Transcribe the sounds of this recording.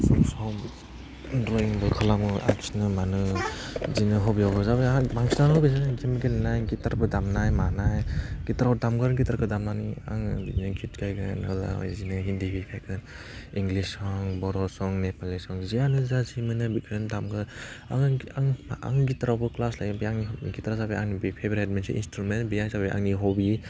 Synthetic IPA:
sɔsɔm | dɾɔiŋbɯkʰalamɯa̰ksnɯmanɯ | zinɯɦɔbijawbɯzababaŋsnanɔbazaɡimiɡennajɡitaɾbɯdamnajmanajɡitaɾawdamɡɯɾɡitaɾkɯdamnania̰ŋizikʰitkʰajkʰɯnɯ̰la̰a̰jzinɯɦindibikʰajkʰɯn | iŋɡlisɔŋbɔɾɔsɔŋnepalːisɔŋzianɯzazimɯnɯbikʰndamɡɯa̰ŋaŋa̰ŋɡitɾawbɯklaslajɡɯbiaŋniɡitɾazabiaŋnibipʰebɾet̚mensḭʔḭnstɾumenbijaŋzabiʔa̰ŋniɦɔbi

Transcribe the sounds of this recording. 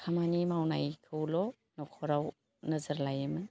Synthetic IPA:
kʰamanimawnajkʰɯwlɔ | nɔkʰɔɾaw | nəzəɾlajɯmɯ

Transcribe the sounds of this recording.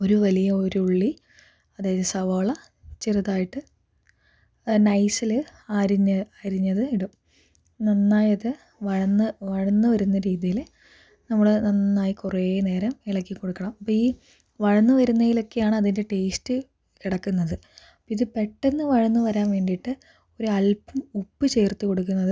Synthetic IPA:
o̞ɾuʋɐlijɐoɾuuɭːi | ɐðaːjɐðɨsɐʋɐɭɐ | t͡ɕirɨðaːjiʈːɨ | nɐjsilɨaːɾiɲːɐaːɾiɲːɐðɨiɽum | nɐnːaːjɐðɨ | ʋɐɻɐnːɨʋɐɻɐnːɨʋɐɾunːɐɾiːðijil | nɐmːuɽenɐnːaːjikureːne̞ːɾɐmiɭɐkːiko̞ɽukːɐɳɐmɐpːoːiː | ʋɐɻɐnːɨʋɐɾunːɐjilo̞kːe̞jaːɳɨɐðinde̞ʈe̞ːstɨ | kiɽɐkːunːɐðɨɐɐpːoiðɨpe̞ʈːe̞nːɨʋɐɻɐnːɨʋɐɾaːnʋe̞ːɳɖiʈːɨ | o̞ɾuɐlpɐmupːɨt͡ɕe̞ːrt̪uko̞ɽuk̬ːunːɐðɨ

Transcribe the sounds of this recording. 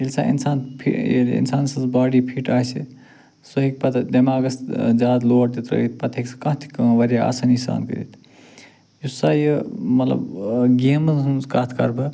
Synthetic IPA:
ilsa̰ḭnsaːnpʰḭelḭnsaːnsɐzbaːɽipʰiʈaːsʰi | soɦik̚pɐt̪ʰd̪ɐmaːɡɐsd͡ʒaːd̪loːɽt̪it̪ɾɐ̰it̪̚pɐt̪ʰekskɐ̃t̪ʰi̥kɐʋɐɾʲjaa̰sanisa̰ːnkə̰ɾḭt̪ʰ | jussaːjəmɐt̪lɐ̰bɡeːmukaːt̪ʰkɐ̰ɾbɐ

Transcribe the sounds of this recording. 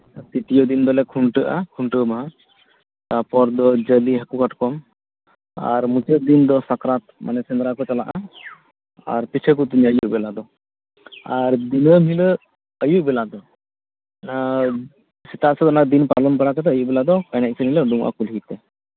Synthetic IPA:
t̪it̪ijɔd̪ind̪ɔlɛkʰuɳʈəʔa̰kʰuɳʈəmaɦa | t̪apɔɾd̪ɔd͡ʒəliɦakukaʈkɔm | a̰ɾmut͡ʃəd̪ind̪ɔsakɾat̪̚mʔa̰nɛsɛnd̪ɾakɔt͡ʃala̰ʔa | a̰ɾpit͡ʃʰɛk̬ut̪̬iɲəjuʔbɛlad̪ɔ | aɾd̪inəmilə | əjuʔbɛlad̪ɔ | a | sit̪aʔsɛd̪ɔnakd̪inpalɔnpaɽakat̪ɛəjuʔbɛlad̪ɔkajnɛʔ̚sɛmiləɖuŋʔa̰kulɦit̪ɛ

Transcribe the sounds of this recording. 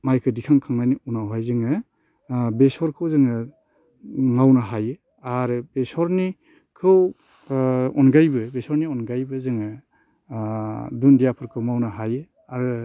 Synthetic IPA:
majkʰɯdikʰaŋkʰaŋnajniunawɦajzɯŋɯ | besɔɾkʰɯwzɯŋɯ | mawnaɦajɯ | aɾɯbesɔɾni | kʰɯw | ɔnɡajbɯbesɔɾniɔnɡajbɯzɯŋɯ | dundijapʰɯɾkʰɯwmawnaɦajɯ | aɾɯ

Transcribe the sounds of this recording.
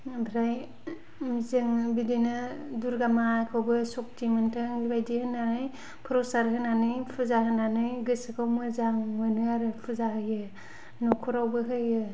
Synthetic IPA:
bʱɾaj | mzɯŋbidinɯduɾɡamakʰawbɯsɔk̚timɯntʰɯŋɡibajdihɯnːanɯj | pʰɾɔsaɾɦɯnanɯjpʰɯzahɯnanɯjɡɯsɯkʰawmɯzaŋmɯnɯaɾɯpʰɯzaɦɯjɯ | nɔkʰuɾawbɯɦɯjɯ

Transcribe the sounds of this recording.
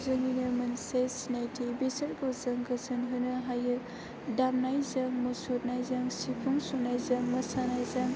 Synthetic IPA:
zɯŋinɯmɐnsejsinajtʰibesɐɾɡozɐŋɡɐsɯnɦɯnɯɦajɯ | damnajzaŋmɔsot̚najzaŋsipʰuŋsunajzɐŋmɐsanajzaŋ

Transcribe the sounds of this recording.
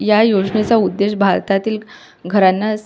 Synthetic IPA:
jajod͡zɳet͡saud̪ːeɕbʱaɾt̪at̪iːl | ɡʱəɾanːas

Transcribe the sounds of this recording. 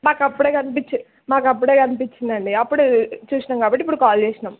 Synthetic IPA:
maːkɐpːuɽeːkɐnɪp̬it͡ʃːu | maːkɐp̬ːuɽeːkɐnɪp̬it͡ʃːind̪ɐɳɖiɐpːuɽut͡ʃuːsɳɐmkaːbpɐʈːipːuɽɯkaːlt͡ʃeːsɐɳɐm

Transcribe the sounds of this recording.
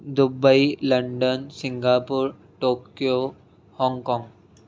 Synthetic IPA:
d̪ʊbəilɐ̃ɳɖənsɪ̃ŋɡaːpʊɾ | ʈoːkjo | hɔ̃ːŋkɔ̃ːŋɡ

